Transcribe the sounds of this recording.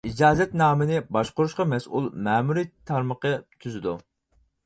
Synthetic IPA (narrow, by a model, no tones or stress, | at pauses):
id͡ʒɑːzɛt̪nɑːmɪnɪbɑʃqʊɾuʃqɑmɛsʔṵlˠmɛːmuɾit̪ʰɑɾməqət̪ʰyzɪd̪u